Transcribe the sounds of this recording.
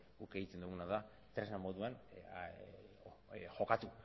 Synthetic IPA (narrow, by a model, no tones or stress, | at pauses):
ɡukeɣit̪end̪uɣunaða | t̪ɾeznamo̞ðuan | ʝo̞kat̪u